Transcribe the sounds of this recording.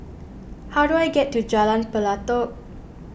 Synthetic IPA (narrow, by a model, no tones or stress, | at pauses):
haɾwajɡɛtːud͡ʒalãnpəlat̪ɔk̚